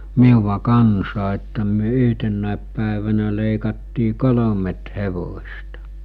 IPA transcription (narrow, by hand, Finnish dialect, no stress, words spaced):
miuʋɑ kɑnsɑː etːæ myø yhtenːæˑep pæˑeʋænæ leˑikɑtːiː kolomet heʋosʲtɑ